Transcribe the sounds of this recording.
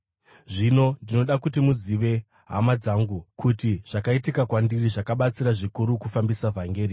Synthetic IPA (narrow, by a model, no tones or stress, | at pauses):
ʐino̞ndino̞ɗakutimuziʋe̞ | ɦa̰mad͡zaːŋɡukutiʐ̥akaitikakwandiriʐakaɓat͡siɾaʐikuɾukufambisavʱaŋɡeːri